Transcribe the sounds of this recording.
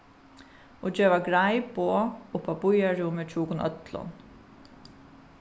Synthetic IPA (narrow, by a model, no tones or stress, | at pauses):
od͡ʒeːʋaɡɹajboːʊpabʊjaɹuːmɪt͡ʃʰuːkʊnʔœ̰t̪lʊ̰n